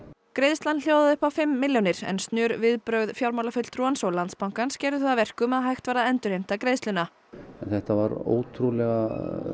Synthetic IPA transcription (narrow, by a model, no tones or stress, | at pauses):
kɾeːjðslanl̥jowðaðʏhpafɪmːɪljonɪɾ̥ɛ̰nst̪njœːɾvɪðpɾœːɥðfjawɾmawlafʏt̪l̥t̪ɾuːansɔlant̪spawŋkanscɛːɾðʏθaðavɛr̥kʏmɛðɦajxt̪vaːɾðaɛnt̪ʏɾhejm̥t̪akɾeːðst̪lʏna | ɛnθɛht̪avaɾo̰ːwt̪ʰɾulɛɣa